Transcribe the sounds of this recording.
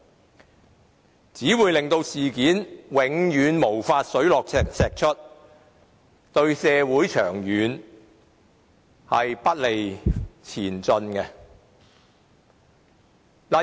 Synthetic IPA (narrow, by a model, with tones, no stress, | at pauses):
t͡siː˨˥wuː˨jlɪ˨ŋt̪o˧wsiː˨kiː˨˥nwɪ˨˥ŋjyː˨˧nmo˨˩wfaː˧t̚sɵ˨˥ɥlɔː˨k̚t͡sʰɛ˨ksɛː˨k̚t͡ʃʰɵ˥t̚ | t̪ɵ˧ɥsɛː˨˧wuː˨˥jt͡ʃʰœː˨˩ŋjyː˨˥n | hɐ̰˨jpɐ˥t̚le˨jt͡sʰiː˨˩nt͡sɵ˧nkɛ˧ | la˨